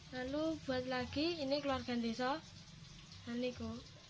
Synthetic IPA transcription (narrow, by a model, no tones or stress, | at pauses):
lalub̥ṳat̪̚laɡ̥iːnekluwarɡ̥and̪esɔ | naniko